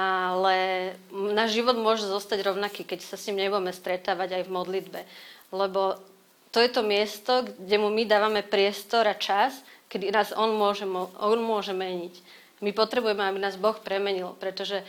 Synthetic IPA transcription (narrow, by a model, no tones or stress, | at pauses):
alɛ | naːʒʒiʋɔd̪mʊɔʒɛzɔst̪aɟɾɔʊnakiːkɛcsasɲimɲɛbuɟɛmɛst̪ɾɛt̪aːʋaɟajvmɔd̪lid̪bɛlɛbɔ | t̪ɔjɛt̪ɔmɪɛst̪ɔɡɟɛmumid̪aːʋamɛpɾɪɛst̪ɔɾat͡ʃaskɛd̪inaːzɔnmʊɔʒɛmɔɔnmʊɔʒɛmɛɲic | mipɔt̪ɾɛbujɛmɛabinaːzbɔxpɾɛmɛɲilpɾɛt̪ɔʒɛ